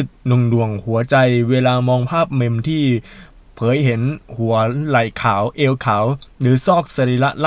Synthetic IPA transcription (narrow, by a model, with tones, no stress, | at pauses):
ɯ˨˩t̪̚nu˧ŋdu˨˩əŋhu˩˦ɐt͡ɕa˧jweː˧laː˧mɔː˧ŋpʰaː˥˩p̚me˧mt̪ʰiː˥˩ | pʰɤː˩˦jɦe˩˦nhu˩˦ɐla˨˩jkʰaː˩˦wʔeː˧wkʰaː˩˦wlɯː˩˦sɔː˥˩k̚sa˧ɾiː˧la˦˥ʔla˥